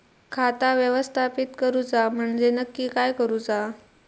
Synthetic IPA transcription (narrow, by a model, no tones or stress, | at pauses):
kʰat̪aʋjəʋəst̪ʰapit̪kəɾud͡zam̤əɳd͡zenəkːiːkajkəɾud͡za